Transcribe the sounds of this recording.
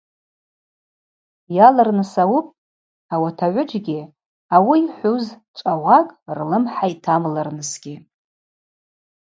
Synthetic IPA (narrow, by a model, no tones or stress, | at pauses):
jalarnɨsawupʼ | awatʰaʕʷʊd͡ʒɡʲi | awiːħʷuzt͡ʃʷʼawakʼrlɨmħaitʰamlarnɨsɡʲi